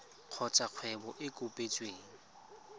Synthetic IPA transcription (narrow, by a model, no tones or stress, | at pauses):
q͡χʰɔt͡ʃʼaq͡χʰwɛbɔʔɪkʼʊpʼet͡ʃʼweːŋ̩